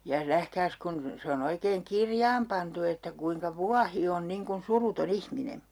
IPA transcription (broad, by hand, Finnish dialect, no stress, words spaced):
jɑ næhkæːs kun se on oikeːŋ kirjɑːm pɑntu etːæ kuiŋkɑ ʋuɑhi on niŋ kun suruton ihmine